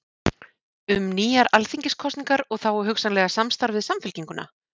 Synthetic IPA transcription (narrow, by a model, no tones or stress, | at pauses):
ʏmniːjaɾalθiɲcɪskʰɔst̪niŋkaɾɔɣθawɛɾɦʏxsanlɛɣasamst̪awɾvɪðsamfʏlciŋkʏna̰